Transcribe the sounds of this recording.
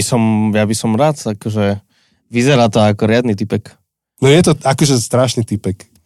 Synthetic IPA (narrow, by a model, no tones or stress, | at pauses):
isɔmjabisɔmɾat̪akɔʒɛ | ʋizɛɾaːt̪ɔakɔɾɪad̪nit̪ipɛk | nɔjɛt̪ɔakɔʒɛst̪ɾaʃnit̪ipɛk